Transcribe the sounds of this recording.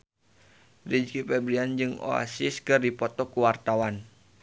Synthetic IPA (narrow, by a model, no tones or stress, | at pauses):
did͡ʒkipɛbɾiand͡ʒɨŋo̰a̰siskɨrdipɔt̪ɔkuwart̪awan